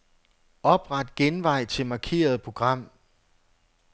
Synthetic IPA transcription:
ɒ̽b̥ʁɑ̈d̥ɡ̥enʋɑ̈ɪ̰t͡sʰe̝lmɑ̈kʰe̝̰ːɐð̞ˠpʰʁo̝ɡ̥ʁɑ̈m̰

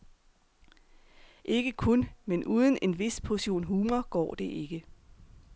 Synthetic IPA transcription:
ʔe̝ɡ̥əkʰonmenʔuːð̞ˠən̩e̝nʋe̝spʰoɕo̝̰ːnɦuːmɐɡ̥ɒ̰ːd̥e̝ʔe̝ɡ̥ə

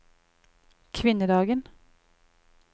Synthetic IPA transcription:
kʰʋɪnəd̪ɑːɡən

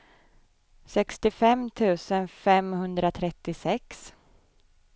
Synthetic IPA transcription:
sɛkst̪ɪfɛmːt̪ʰʉ̟ːsənfɛmhɵnd̪ɾat̪ʰɾɛt̪ːɪsɛks

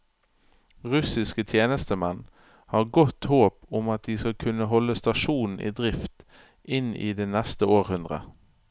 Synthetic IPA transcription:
ʁʉsɪskət̪ʰjeːnəst̪əmɛn | hɑːʁɡɔt̪hoːpʊmɑt̪̚d̪iːskɑlkʰʉnəɦɔlːəst̪ɑʃuːnn̩ʔḭːd̪ʁɪft̪ | ʔɪnḭːd̪eːnɛst̪əoːʁhʉnd̪ʁə̰

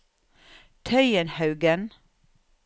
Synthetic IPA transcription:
t̪ʰœʏənhɑʉɡən

